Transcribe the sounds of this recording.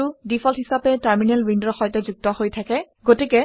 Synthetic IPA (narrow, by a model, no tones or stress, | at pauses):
udipʰɔlhisapɛtaɹminɛlwindɔxɔjtɛzuk̚tɔhojtʰakɛ | ɡotikɛ